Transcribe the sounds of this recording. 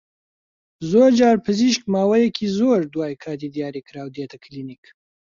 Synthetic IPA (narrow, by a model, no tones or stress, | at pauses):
zoːɾd͡ʒɑːɾpʰɨziʃk̚mɑːwɐjekʰizoːɾd̪wɑːjkʰɑːd̪id̪ijɑːɾikɾaːwd̪eːt̪ɐkʰlinik